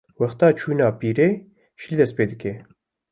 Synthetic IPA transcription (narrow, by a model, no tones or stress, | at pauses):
wɛxt̪ɑːt͡ʃʰuːnɑːpiːɾeː | ʃilid̪ɛspeːd̪ɨke